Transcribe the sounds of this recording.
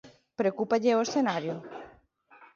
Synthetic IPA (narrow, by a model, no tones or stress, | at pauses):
pɾeokupaʎeoesθenaɾjʊ